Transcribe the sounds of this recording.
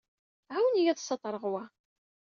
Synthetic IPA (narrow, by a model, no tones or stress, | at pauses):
ʕawnijæðsˤːɑt̪ˤːɾˤəʁwæ